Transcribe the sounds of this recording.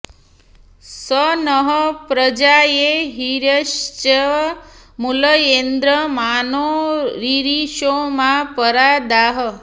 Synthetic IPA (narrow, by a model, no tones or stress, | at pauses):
sənəɦəpɾəd͡ʒajeɦiɾəʃt͡ʃə | muləjend̪ɾəmanoɾiɾiʃomãpəɾad̪aɦə